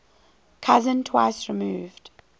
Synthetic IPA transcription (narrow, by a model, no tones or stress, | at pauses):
kʰʌzə̃ntʰwaɪsɹimuːvd̥